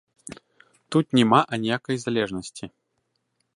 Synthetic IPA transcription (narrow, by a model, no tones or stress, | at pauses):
t̪ut̪̚nʲɛmaʔɐnʲɛjakɐjzalʲɛʐnɐsʲt͡sʲi